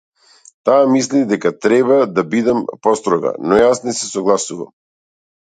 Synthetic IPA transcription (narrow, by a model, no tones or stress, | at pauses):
t̪aːmislid̪ɛkat̪ɾɛbad̪abid̪ɛmpɔst̪ɾɔɡa̰nɔjasnɛsɛsɔɡlˠasuva̰m